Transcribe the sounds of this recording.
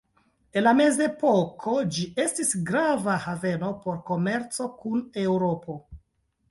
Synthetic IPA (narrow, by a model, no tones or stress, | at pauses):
e̞nlame̞ze̞pokʰo̞d͡ʒiʔe̞stisɡɾavahave̞no̞po̞ɾko̞me̞ɾt͡so̞kune̞wɾo̞po̞